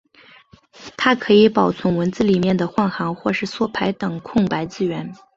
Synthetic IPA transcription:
t̪ʰa˥kʰɤ˧˥i˧˥pɑ˨˩ʊt͡sʰwʊ˧˥ŋwə˧˥nt͡sɹ̩˥˩li˨˩mjɛ˥˩nd̪ə˩xwɑ˥˩nxɑ˧˥ŋxwɔ˥˧ʂɻ̩˥˩swɔ˥˩pʰa˧˥ɪt̪ɤ˨˩ŋkʰʊ˥˩ŋpa˧˥ɪt͡sɹ̩˥˧ɥɛ˧˥n

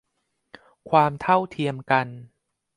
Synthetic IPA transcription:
kʰwaː˧mt̪ʰa˥˩wt̪ʰi˧əmka˧n

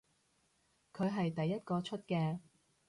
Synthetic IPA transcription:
kʰɵ˨˧ɥɦɐ˨jt̪ɐ˨jːɐ˥t̚kɔː˧t͡ʃʰɵ˥t̚kɛː˧

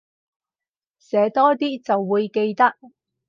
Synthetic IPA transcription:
sɛː˨˧˥t̪ɔː˥t̪iː˥t͡sɐ˨wːuː˨˧jke˧jt̪ɐ˥k̚

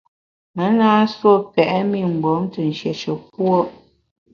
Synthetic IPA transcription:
mə˨˦naː˦swo˦˨pɛ˨ʔɛ˦mi˦˨ŋ͡m̩˨ɡ͡bo˨˦mtə˨n̩˨ʃjɛ˨ʃə˨pwo˦

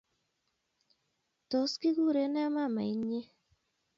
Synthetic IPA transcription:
tɔ˨ski˦ɡu˦˨ɾe˨nɛ˦ma˦˨ma̰˨i˦ɲe˦

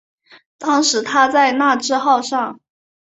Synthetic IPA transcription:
t̪ɑ˥ŋʂɻ̩˧˥t̪ʰa˥t͡sa˥˧ɪna˥˩ʈ͡ʂɻ̩˥˧xɑ˥˧ʊʂɑ˥˩ŋ

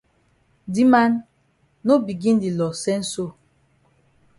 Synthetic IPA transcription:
di˦ma˦nː | o˦bi˨ɡĩ˦n˦di˨lɔ˨sɛ˦n̩˦so˦

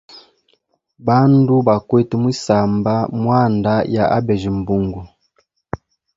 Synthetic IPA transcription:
ba˦ndu˦ba˨kwɛ˦tu˦mwi˦sa˨mba˦mwa˦˨nda˦ja˨ʔa˦bɛ˨ʒi˨m̩˨bu˨ŋɡu˨

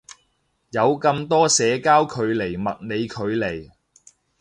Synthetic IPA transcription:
jɐ˨˧wkɐ˧mt̪ɔː˥sɛː˨˧kaː˥wkʰɵ˨˧ɥle˨˩jmɐ˨t̚ne˨˧jkʰɵ˨˧ɥle˨˩j

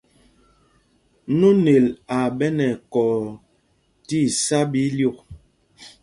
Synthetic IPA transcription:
nu˦ne˨la˨bɛ˦nɛ˨kɔ˨ | ti˦˨sa˦bi˦ljo˦˨k̚

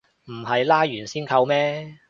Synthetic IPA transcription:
m̩˨˩hɐ˨jlaː˥jyː˨˩nsiː˥nkʰɐ˧wmɛː˥

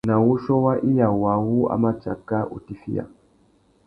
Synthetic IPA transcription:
na˨wu˦ʃɔ˦wa˦ʔi˦ja˨wa˨wu˦a̰˦ma˦t͡ʃa̰˨ka˦ʔṵ˨ti˦fi˦ja̰˨

